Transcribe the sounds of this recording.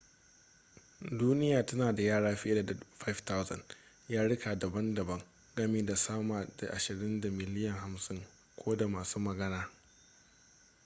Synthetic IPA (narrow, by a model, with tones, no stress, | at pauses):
duː˦nɪ˦jaː˨tɐ˦naː˨da˨jaː˦ɽaː˦ɸɪ˦da˨dɸa˦jfta˦wzɐ̰˨n | jaː˦ɽɪ˦ka˨dɐ˨bɐ˦ndɐ˨bɐ˦ŋ | ɡɐ˦meː˨da˨saː˦maː˨da˨ʔa˨ʃɪ˨ɽɪ˦nda˨mɪ˨lɪ˦jɐ˨ŋha˨msɪ˦ŋ | kʷʰoː˦da˨maː˨suː˦mɐ˨ɡɐ˦naː˦